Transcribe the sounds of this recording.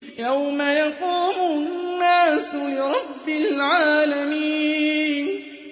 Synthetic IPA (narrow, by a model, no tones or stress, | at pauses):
jawmajɑquːmʊnːaːsʊlɪɾˤɑbːɪlʕaːlamiːnn